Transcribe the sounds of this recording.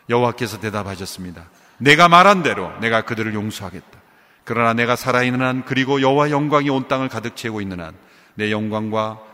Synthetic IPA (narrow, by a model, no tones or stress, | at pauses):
jʌɦowak͈e̞sʰʌte̞dabaɕʰʌs͈ɯmɲida | ne̞ɡamaɾɦande̞ɾo̰ne̞ɡakɯdɯɾɯɭjoŋsʰoɦaɡe̞t̚t͈ḁ | kɯɾʌnane̞ɡasʰaɾainːɯnankɯɾiɡojʌɦowaejʌŋɡwaŋiont͈aŋɯɭkadɯk̚t͡ɕʰeɡoinːɯna̰nː | e̞jʌŋɡwaŋɡwa